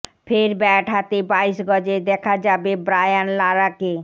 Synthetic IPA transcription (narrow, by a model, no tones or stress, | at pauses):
fʰeɾbɛʈʰat̪ebaiʃɡɔd͡ʑed̪ɛkʰad͡ʑabebɾajanlaɾake